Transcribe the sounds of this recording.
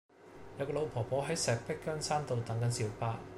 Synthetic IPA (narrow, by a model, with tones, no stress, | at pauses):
jɐ˨˥wkɔː˧lo˨˧wpʰɔː˨˩pɔː˨˥ɦɐ˨˥jsɛː˨˩k̚pɪ˥kːœː˥ŋsaː˥nt̪o˨˧wt̪ɐ˨˥ŋkɐ˨˥nsiː˨˥wpaː˧